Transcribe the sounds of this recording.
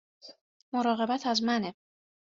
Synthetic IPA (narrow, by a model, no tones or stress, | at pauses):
moɾɒːɣe̞bæt̪ʰæzmæne